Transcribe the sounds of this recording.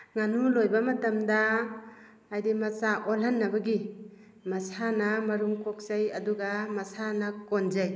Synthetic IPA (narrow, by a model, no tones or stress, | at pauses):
ŋanulojbamɐtamdaː | jdimɐsaʔolɦanːɐbaɡi | mɐsanamɐɾuŋkok̚sajɐduɡamɐsanakond͡ʒaj